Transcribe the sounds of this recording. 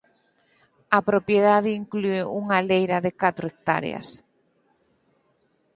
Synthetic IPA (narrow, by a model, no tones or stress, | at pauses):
ɐpɾopjeðaðɪiŋklueuŋalejɾɐðɪkat̪ɾʊek̚t̪a̰ɾḛɐ̰s